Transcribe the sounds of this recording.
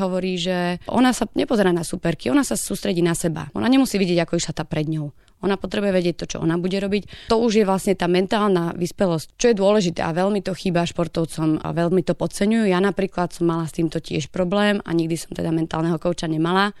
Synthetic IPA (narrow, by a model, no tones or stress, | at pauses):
ɦɔʋɔɾiːʒɛʔɔ̰nasaɲɛpɔzɛɾaːnasupɛɾkiɔnasasuːst̪ɾɛɟiːnasɛba̰ʔɔ̰naɲɛmusiːʋiɟɪɛɟakɔiʃlat̪aːpɾɛd̪ɲɔʊ | ʔɔnapɔt̪ɾɛbujɛʋɛɟɪɛc̚t̪ɔt͡ʃɔ̰ʔɔ̰nabuɟɛɾɔbict̪ɔuʒjɛʋlasɲɛt̪aːmɛnt̪aːlnaʋispɛlɔsct͡ʃɔjɛd̪ʊɔlɛʒit̪ɛ̰ʔa̰ʋɛlmit̪ɔxiːbaʃpɔɾt̪ɔʊt͡sɔm̰ʋɛlmit̪ɔpɔt͡sɛɲujujanapɾiːklat̪sɔmːalast̪iːmt̪ɔcɪɛ̰ʃpɾɔblɛːma̰ɲiɡ̚d̪isɔmt̪ɛd̪amɛnt̪a̰ːlnɛɦɔkɔʊt͡ʃaɲɛmala